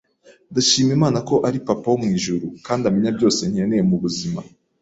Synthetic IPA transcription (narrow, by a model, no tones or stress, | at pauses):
ndaʃiːmjemaːnako̞ʔaɾipapaomŋiːʒuɾukaːndamiɲabɟo̞ːse̞n̥hienejemuβuzima